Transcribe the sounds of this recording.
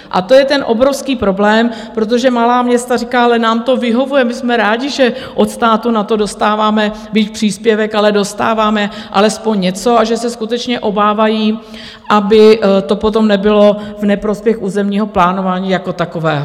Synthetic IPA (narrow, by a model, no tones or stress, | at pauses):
ʔa̰t̪o̞jɛt̪ɛnʔo̞bɾo̞fskiːpɾo̞blɛːm | pɾot̪̬o̞ʒɛmalaːmɲɛst̪arikaːalɛnaːmt̪o̞vɪɦo̞vujɛmɪsmɛɾaːɟɪʒɛʔo̞t̪st̪aːt̪unat̪o̞do̞st̪aːvaːmɛ | bicpr̝̥iːspjɛvɛkalɛdo̞st̪a̰ːvaːmɛʔalɛspo̞ɲɲɛt͡so̞aʒɛsɛskut̪ɛt͡ʃɲɛʔo̞baːvajiː | ʔabɪt̪o̞pot̪̬o̞mnɛbɪlo̞vnɛpɾo̞spjɛxʔuːzɛmɲiːɦo̞plaːno̞vaːɲiːjako̞t̪ako̞vɛːɦo